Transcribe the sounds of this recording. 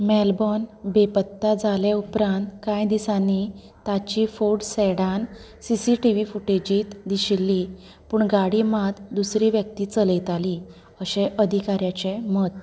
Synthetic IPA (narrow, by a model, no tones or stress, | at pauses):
mɛlbɔnbepət̪ːad͡zaleupɾãnt̪kãjd̪isanːi | t̪at͡ɕifoɽsɛɽan | sisiʈiʋifuʈed͡ʑiːt̪d̪iɕilːi | puːɳɡaɽimat̪d̪usɾiːʋjək̚t̪iːt͡səlejt̪ali | əɕeʔəd̪ʱikaɾjat͡ɕemət̪̚